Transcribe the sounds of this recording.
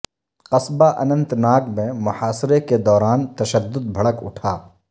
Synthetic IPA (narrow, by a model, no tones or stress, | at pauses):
qɐsbaʔɐnə̃nt̪naːkmẽmʊhaːsɾeked̪ɔːɾaːnt̪ɐʃəd̪ːʊd̪̚bʱɐɽəkʊ̰ʈʰaː